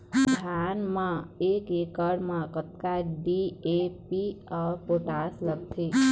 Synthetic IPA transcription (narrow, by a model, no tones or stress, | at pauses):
dʱanmãekekəɽmãkət̪̚kaɖiepiəpoʈasləɡ̚t̪ʰi